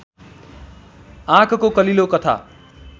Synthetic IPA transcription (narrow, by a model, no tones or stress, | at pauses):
ãkʰkokʌlilokʌt̪ʰa̰